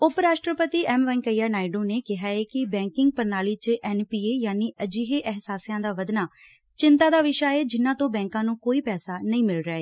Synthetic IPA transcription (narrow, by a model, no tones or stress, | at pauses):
ʊpɾaːʃʈɾəpət̪iːɛːmʋəŋkəjːaːnaːɪɖoːneːkɪɦaːeːkɪbɛ̃ːŋkɪŋɡ̚pəɾnaːliːt͡ʃʔɛːnpiːeːjaːniːʔəd͡ʒiːɦeːʔɛɦsaːsjãːd̪aːʋəd̪naː | t͡ʃɪnt̪aːd̪aːʋɪʃaːeːd͡ʒɪnːãːt̪õːbɛ̃ːŋkãːnũːkoːiːpɛːsaːnəĩːmɪlɾaːeː